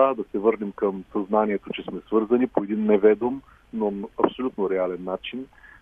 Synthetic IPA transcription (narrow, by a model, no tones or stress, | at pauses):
ad̪ɐsɛvɤɾnɛmkəmsɐznaniɛt̪ot͡ʃɛsmɛsvɤɾzɐnipoɛd̪inːɛvɛd̪om | nonɐpsolʲut̪noɾɛalɛnːat͡ʃin